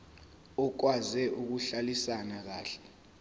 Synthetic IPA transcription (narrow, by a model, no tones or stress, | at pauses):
ɔk̬wazɛʔuk̬uɬalisanak̬aːɬɛ̥